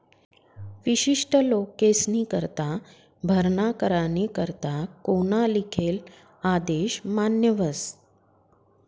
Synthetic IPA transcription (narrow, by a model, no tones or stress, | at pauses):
ʋiɕiʂʈʰəlokːesnikəɾt̪a | bʱəɾɳakəɾanikəɾt̪akoñalikʰel | ad̪eɕmanjəʋəs